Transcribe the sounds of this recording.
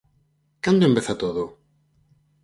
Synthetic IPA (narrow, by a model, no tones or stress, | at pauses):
kand̪oembeθat̪oðo